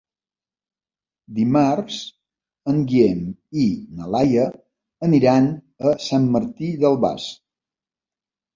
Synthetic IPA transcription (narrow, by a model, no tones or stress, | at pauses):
d̪imaɾz̥ | əŋɡieminəlajə | əniɾan | əsamːəɾt̪iðəlˠβa̰s